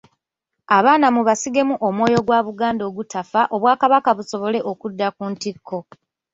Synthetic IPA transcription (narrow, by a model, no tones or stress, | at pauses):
aβaːnamuβasiɡe̞muʔomwo̞ːjo̞ɡwaːβuɡaːndo̞ːɡutafaʔo̞βwaːkaβakaβuso̞βo̞le̞ʔo̞kudːakuntikʰːo̞